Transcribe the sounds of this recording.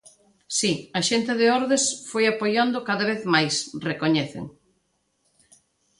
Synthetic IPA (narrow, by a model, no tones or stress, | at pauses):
siɐʃent̪ɪðɪɔɾðesfojapojand̪ʊkaðɐβ̞eθmajsrekoɲɛθɪ̰ŋ